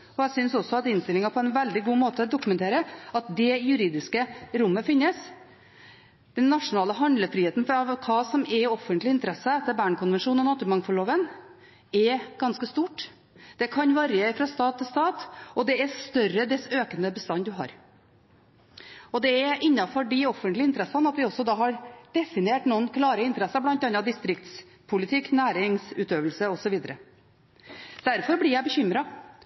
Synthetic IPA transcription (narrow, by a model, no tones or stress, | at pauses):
ɔæsʏnsɔsːɔɑt̪ɪnst̪ɪlɪŋɑpʰɔɛnʋɛld̪ɪɡuːmoːt̪əd̪ʊkʉmɛnt̪ʰeːɾəɑt̪̚d̪ɛjʉɾiːd̪ɪskəɾʊmːəfɪnːəs | d̪̥ɛnːɑʂʊnɑːləɦɑnd̪ləfɾiːeːt̪n̩fɑʋkʰɑːsɔmɛɾɔfːənt̪lɪɪnt̪əɾɛsːəɛt̪ːəɾbæːɳkʰʊnʋɛnʂuːnɔnɑːt̪ʉɾmɑŋfɔɭoːʋən | ɛɡ̥ɑnskəst̪uːʈ | d̪̥ɛkʰɑnʋɑɾjəfɾɑst̪ɑːt̪ʰːɪlst̪ɑːt̪ɔd̪ɛɛst̪œrəd̪ɛsøːkənəbəst̪ɑnːd̪ʉɦɑ̰ːɾ | ɔd̪ɛɛʔɪnːɑfɔɖɪɔfənt̪lɪnt̪əɾɛsːɑnɑt̪ʋɪɔsːɔd̪ɑːɦɑɾd̪̥ɛfɪneːʈnuːənkʰlɑːɾəɪnt̪əɾɛsːɑblɑnt̪ːɑnːɑd̪ɪst̪ɾɪkt̪s | pʰʊlɪt̪ʰɪkːnæːɾɪŋsʉːt̪øːʋəlsəɔsɔʋiːd̪əɾə | d̪̥æɾfɔɾblɪjæɪbəçʏmɾɑ